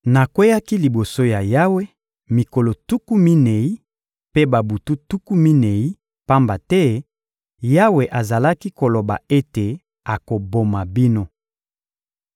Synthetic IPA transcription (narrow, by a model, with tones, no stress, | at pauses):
na˨kwe˦ja˦ki˦li˨bo˨so˦ja˨ja˦we˦ | mi˨ko˨lo˨tu˦ku˦mi˦ne˨i˦ | pe˦ba˨bu˨tu˦tu˦ku˦mi˦ne˨i˦ | pa˦mba˨tɛ˦ | ja˦we˨ʔa˨za˨la˦ki˦ko˨lo˨ba̰˨e˦te˨ | a˨ko˨bo˨ma˨bi˦no˦